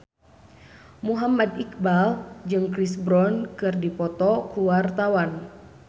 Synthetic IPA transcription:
muɦamadik̚bald͡ʒɨŋkɾisbɾɔnkɨrdipɔt̪ɔkuwart̪awan

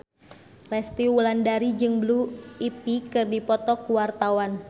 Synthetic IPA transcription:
rɛst̪iulandaɾid͡ʒɨŋbluipikɨrdipɔt̪ɔkuwart̪awan

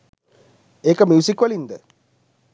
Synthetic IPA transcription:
eːkəmjuːsikʋɐlind̪ə

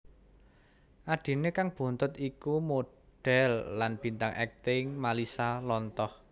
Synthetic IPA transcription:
ʔaɖ̪̥i̤nekaŋb̥o̤nt̪ʊt̪ikumo | ɖ̥ɛ̤lːanb̥i̤nt̪aŋʔɛ̰k̚t̪ɪŋmalisalɔnt̪ɔh

